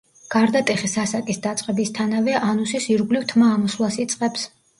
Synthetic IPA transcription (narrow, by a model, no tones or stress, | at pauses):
ɡ̥aɾd̪at̪ʼɛχisasakʼisd̪at̪sʼqʼɛbist̪ʰanavɛʔanusisiɾɡlivt̪ʰmaːmɔslˠasit̪sʼqʼɛps